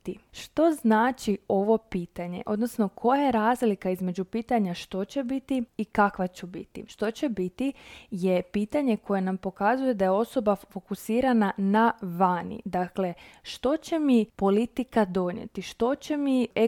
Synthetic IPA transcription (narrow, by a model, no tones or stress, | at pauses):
iʃt̪o̞znaːt͡ʃio̞ʋo̞piːt̪aɲe̞̰ʔo̞̰d̪nosno̞kʰo̞jajeɾaːzlikaizme̞d͡ʑupiːt̪aɲaʃt̪o̞t͡ɕe̞bit̪iːkakʋat͡ɕubḭt̪ḭʃt̪o̞t͡ɕe̞bit̪ije̞piːt̪aɲe̞ko̞je̞nampo̞kazuje̞d̪ajeo̞so̞bafo̞kusiːɾananaʋanḭd̪akle̞ʃt̪o̞t͡ɕe̞mipo̞lit̪ikad̪o̞ɲḛt̪iʃt̪o̞t͡ɕe̞mie